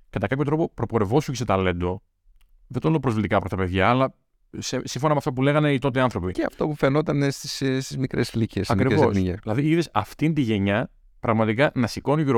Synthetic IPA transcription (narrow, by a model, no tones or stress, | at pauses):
kɐt̪ɐkɐpço̞t̪ɾo̞popɾo̞poɾe̞vo̞suceset̪ɐle̞nd̪o̞ | ðet̪olnopɾo̞zvlit̪ikɐːpɾost̪ɐpe̞ðʝɐːlɐ | sesiɱfo̞nɐmeɐft̪ɐp̬ule̞ɣɐne̞it̪o̞t̪eɐnθɾo̞piceɐ̰ft̪opufeno̞t̪ɐnest̪i̥sst̪izmikɾeslicesɐkɾivosʝeilɐðiiðesɐft̪ind̪iʝe̞ɲɐ | pɾɐɣmɐt̪ikɐnɐsiko̞nʝiɾo